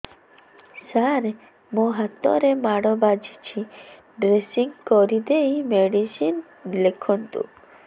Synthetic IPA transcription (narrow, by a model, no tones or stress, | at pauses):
saɾ | moɦat̪ːɔ̰ɾemaɽɔbad͡ʒʱit͡ʃʰi | ɖɾesiŋkɔɾid̪eimeɖisin | lekʰɔnt̪ṵ